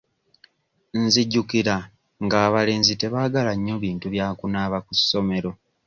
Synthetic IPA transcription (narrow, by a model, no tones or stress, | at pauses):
nziɟːukiɾa | ŋɡaːβale̞ːnzite̞βaːɡalaɲːoβiːntuβjaːkunaβakusːo̞me̞ɾo̞